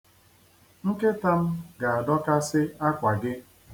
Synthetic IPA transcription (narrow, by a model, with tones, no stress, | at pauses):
ŋ̩˦ke˦ta˦m̩˦ɡa˨a˨dɔ˦ka˦sɪ˦a˦kʷa˨ɡɪ˦